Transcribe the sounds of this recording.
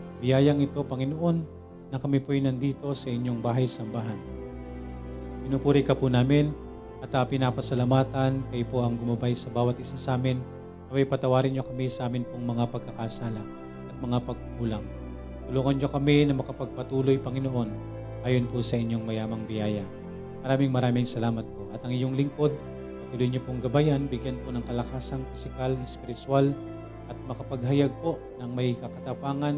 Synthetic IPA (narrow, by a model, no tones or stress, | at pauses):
bɪjaːjɐŋɪt̪o̞pɐŋɪnoʔo̞nː | ɐkɐmipojnɐnd̪iːt̪o̞sɐʔɪɲːo̞ŋbaːɦɐjsɐmbaːɦɐn | ɡɪnupuːɾɪkɐpunaːmɪn | ʔɐt̪ɐpɪnapɐsɐlamaːt̪ɐnkɐjpo̞ʔɐŋɡʊmɐbajsɐbaːwɐt̪̚ʔɪsasʔaːmɪnː | ɐmɐjpɐt̪ɐwaːɾɪnɲo̞kɐmisɐʔaːmɪnpoŋmɐŋapɐɡ̚kːɐkɐsaːlɐ | ʔɐt̪̚mɐŋapɐɡ̚ʊkuːlɐŋ | t̪ʊluːŋɐnɲo̞kɐminɐmɐkɐpɐɡ̚pɐt̪uːlo̞jpɐŋɪnoʔo̞n | ʔaːjo̞nposɐʔɪɲːo̞ŋmɐjaːmɐŋbɪjaːjɐ | mɐɾaːmɪŋmɐɾaːmɪŋsɐlaːmɐt̪̚po̞ʔɐt̪ɐŋɪjoŋlɪŋko̞d̪̚ | ɐjt̪ʊlujɲopoŋɡɐbajanbɪɡjanponɐŋkɐlɐkaːsɐŋfɪsɪkalnɐspɪɾɪt̪ʊal | ʔɐt̪̚mɐkɐpɐɡɦɐjaɡ̚po̞ʔnɐŋmɐjkɐkɐt̪ɐpaːŋɐn